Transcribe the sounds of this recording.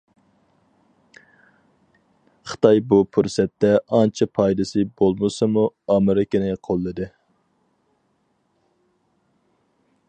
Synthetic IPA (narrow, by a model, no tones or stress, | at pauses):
χɨ̥t̪ɑjbupʰuɾsɛt̪ːɛʔɑnt͡ʃʰɛpʰɑjd̪ɨsɨbolˠmɨsɨmuɑmɨɾɪkʲynɪqʰolˠːɨd̪ɨ